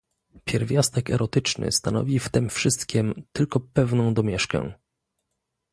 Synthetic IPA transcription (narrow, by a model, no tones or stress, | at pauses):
pʲjɛɾvʲjast̪ɛkɛ̰ɾɔt̪ɘt͡ʂnɘ̰st̪anɔ̰vʲift̪ɘmfʂɘst̪kʲimt̪ɘlkɔpɛvnɔ̃w̃d̪ɔmʲjɛʂkɛ̰̃